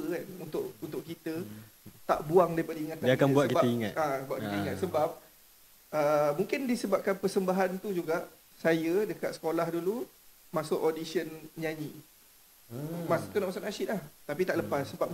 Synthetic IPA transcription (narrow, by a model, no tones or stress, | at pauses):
əkanunt̪ʊʔunt̪ʊʔkit̪ət̪aʔbuaŋdaɾipadəiŋat̪̚ːadiakabuat̪kibaəiŋat̪abuaʔ̪̚kit̪əiŋat̪̚səbap̚ | əmuŋkɪndisəbap̚kanpərsəmbaɦant̪ud͡ʒuɡaʔ | sajədəkat̪sə̥kolahdulu | masʊʔodisiənɲaɲi | masut̪unaʔmasʊʔnasɪt̪̚laht̪apit̪aʔləpasːəbap̚